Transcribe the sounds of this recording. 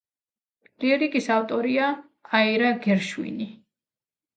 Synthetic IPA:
liɛɾikʼisaft̪ʼɔɾiaː | iɾaɡɛɾʃwḭni

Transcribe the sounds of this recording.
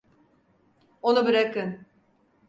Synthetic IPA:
onubiɾekɯn

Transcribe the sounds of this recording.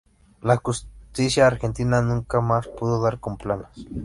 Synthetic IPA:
lakust̪isjaːɾxent̪inanuŋkamaspuðoðaɾkomplanas

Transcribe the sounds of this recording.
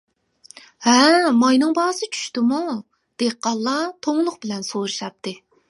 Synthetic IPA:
hɛmɑjnɨŋbɑhsɨt͡ʃʰy̥ʃt̪ɪmu | d̪̥eqːɑlˠːɑt̪ʰoŋlˠʊqbɪlɛnsoɾɨʃɑp̚t̪ʰːɨ

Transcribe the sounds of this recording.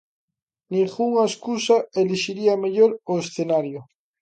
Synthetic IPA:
nĩŋɣuŋaeskusaeliʃiɾiameʎoɾoesθenaɾjo

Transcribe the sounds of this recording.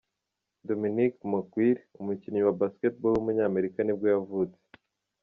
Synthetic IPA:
do̞minikmukwiɾiumuciɲɲiwabasket̚bolumuɲaːme̞ɾikanibɡo̞javuːt͡se̥

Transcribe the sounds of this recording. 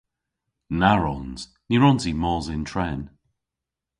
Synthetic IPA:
naɹɔnz̥ | niɹɔnzimɔːzɪntʰɹɛn

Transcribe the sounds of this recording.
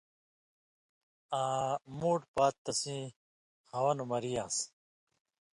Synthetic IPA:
aːmuːʈpaːt̪ːɐsĩ | hɐwɐnumɐɾijaːs

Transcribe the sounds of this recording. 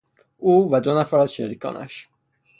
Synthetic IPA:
ʔuːvæd̪onæfæɾæzʃḛɾikʰɒ̰ːnʔæ̰ʃ

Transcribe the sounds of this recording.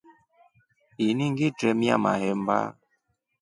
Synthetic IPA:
iniŋɡitɾɛmja̰ma̰hɛmba̰

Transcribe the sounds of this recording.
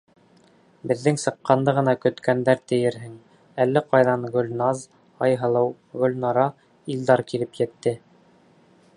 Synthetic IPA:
bɘ̆ðːɘŋsɤ̆qːɑnd̪ɤʁɤ̆nɑkɵ̆t̪kʰænd̪æɾt̪ɘ̆jɘɾɦɘŋ | ælːɘqɑjðɑnɡɵ̆lʲnɑz | ɑjɦɤ̆lˠɤw | ɡɵ̆lʲnɑɾɑ | ild̪ɑɾkilɘpjɘ̆t̪ːɘ

